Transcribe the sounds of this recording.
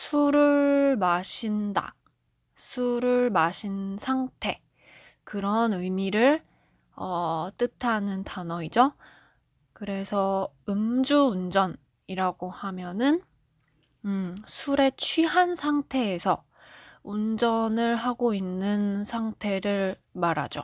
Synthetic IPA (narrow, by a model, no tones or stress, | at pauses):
sʰuɾɯɭmaɕʰinda̰ | sʰuɾɯɭmaɕʰinsʰaŋtʰe̞ | kɯɾʌnɯjmiɾɯɭ | ʌt͈ɯtʰanɯntanʌid͡ʑo | kɯɾe̞sʰʌ | ɯmd͡ʑuːnd͡ʑʌn | iɾaɡohamjʌnɯn | sʰuɾe̞t͡ɕʰɥiɦansʰaŋtʰe̞ːsʰʌ | und͡ʑʌnɯɭɦaɡoinːɯnsʰaŋtʰe̞ɾɯɭ | maɾa̰d͡ʑo̰